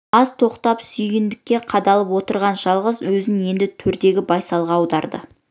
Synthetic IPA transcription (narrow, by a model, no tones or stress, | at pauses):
ɑzt̪ʰo̞qt̪ɑpsʏjɡʲɪnd̪ɪkʲːe̞qʰɑd̪ɑlˠəpwo̞t̪əɾʁɑnʒɑlˠʁəzwɵzɪne̞nd̪ɪt̪ʰʏɾd̪e̞ɡʲɪbɑjsɑlˠʁɑːwd̪ɑɾd̪ə̰